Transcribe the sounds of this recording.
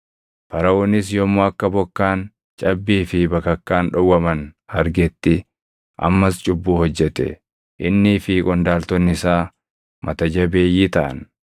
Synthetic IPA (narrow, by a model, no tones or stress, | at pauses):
pɐɾɐʔoːnɪs̬jɔmːoːɐkːɐbɔkːaːn | t͡ʃʼɐbːiːfɪbɐkɐkːaːnᶑɔwːɐmɐnhɐɾɡɛt̪ːɪ | ʔɐ̰mːɐst͡ʃʼʊbːuːhɔd͡ʒːɛt̪ɛ̰ | ʔɪnːɪfiːkʼɔnd̪aːlt̪ɔnːɪsaː | mɐt̪ɐd͡ʒɐbe̞ːjːiːt̪ɐʔɐ̰n